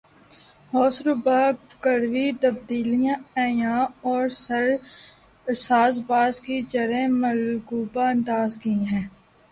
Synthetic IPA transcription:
ɦɔːsɾʊbaːkəɾʋit̪əb̚d̪iːlijãːɛ̃ːjãːɔːɾɾ | saːzbaːzkit͡ʃəɾẽməlɡuːbaənd̪aːzkĩɦɛ̃ː

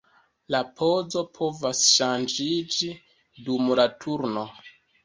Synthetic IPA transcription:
lapʰo̞zo̞pʰo̞vasʃand͡ʒid͡ʒi | dumlatʰuɾno̞

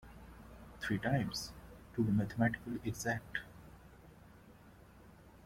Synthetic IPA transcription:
t̪ʰɾiːʈãɪ̃msʈuːmæt̪ʰəmæʈɪ̥kəleɡzæk̚ʈ

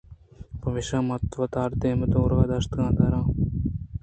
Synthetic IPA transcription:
pɐʋɪʃaːmɐt̪ʋɐt̪aːɾd̪eːmət̪oːɾɡaːd̪ɐst̪ɡãːd̪aːɾãː

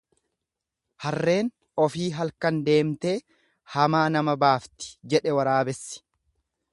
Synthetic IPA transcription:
hɐrːe̞ːn | ɔfiːɦɐlkɐnd̪e̞ːmt̪e̞ː | hɐmaːnɐmɐbaːft̪ɪ̥d͡ʒɛᶑɛwɐɾaːbɛsːɪ̥

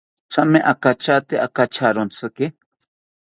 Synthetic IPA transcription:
t͡ʃameʔakat͡ʃat̪eʔakat͡ʃʰaɾont͡sʰɨkɪ

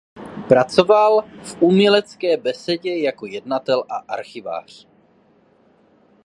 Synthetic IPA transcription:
pɾat͡so̞valfʔumɲɛlɛt͡skɛːbɛsɛɟɛjako̞jɛdnat̪ɛlʔaʔa̰ɾxɪva̰ːr̝̥

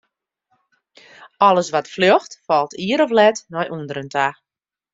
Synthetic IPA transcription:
ɔləsʋatfljoxtfɔlˠtʰiəɾɔflɛtnɔjʔuəndəɾəntʰa

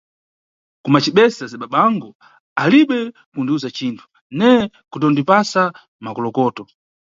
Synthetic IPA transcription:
kumat͡ʃiɓɛsazaɓaɓaŋɡɔ | aliɓɛ | kundiuzat͡ʃiːntʰu̥ | nɛ | kutɔndipasa | makɔlɔkɔːtɔ

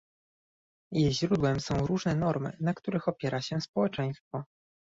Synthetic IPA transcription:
jejʑɾud̪wɛmsɔ̃w̃ɾuʐnɛnɔɾmɘ̰nakt̪uɾɘxɔpʲjɛɾaɕɛspɔwɛt͡ʂɛj̃st̪fɔ

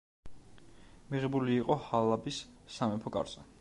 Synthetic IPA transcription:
miʁɛbuliːqʼɔhalˠabisːamɛpʰɔkʼa̰ɾzʼa

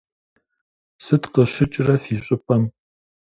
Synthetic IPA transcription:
sɨtqəɕɪt͡ʃʼrɐfiːɕʼʊpʰʼɐm

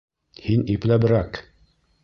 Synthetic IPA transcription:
hiniplæbɘ̆ɾæk

